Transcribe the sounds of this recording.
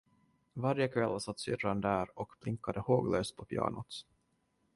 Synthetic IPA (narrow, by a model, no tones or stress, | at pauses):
vaɾjəkʰvɛlːsat̪ːsʏ̰rːand̪æːɾɔkpʰlɪŋkːad̪əhoːɡløːst̪̚pʰɔpʰjɑ̰ːɳʊt̪